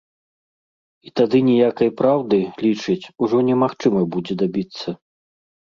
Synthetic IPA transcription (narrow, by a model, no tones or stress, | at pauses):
it̪ad̪ɨnʲɛjakɐjpɾawd̪ɨlʲit͡ʂɨt͡sʲuʐɔnʲɛmaxt͡ʂɨmɐbud͡zʲɛd̪abʲit̪sːɐ